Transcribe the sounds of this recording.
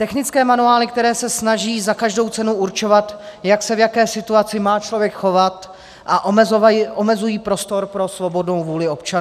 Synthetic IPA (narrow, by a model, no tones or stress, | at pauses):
t̪ɛxnɪt͡skɛːmanuaːlɪk̚t̪ɛɾɛːsɛsnaʒiːzakaʒdo̞wt͡sɛnuuɾt͡ʃo̞vat̪jaksɛvjakɛːsɪt̪uat͡sɪmaːt͡ʃlo̞vjɛkxo̞vat̪ | ʔaʔoʔomɛzujiːpɾo̞st̪o̞ɾpɾo̞svo̞bo̞dno̞wvuːlɪo̞pt͡ʃa